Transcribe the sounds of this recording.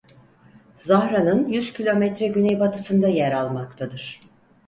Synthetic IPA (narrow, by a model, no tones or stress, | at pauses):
zahɾanɯnjyz̥cʰilʲo̞mɛt̪ɾɛɟynɛjbat̪ʰɯsɯnd̪ajæɾalˠmakt̪ʰad̪ɯɾ̥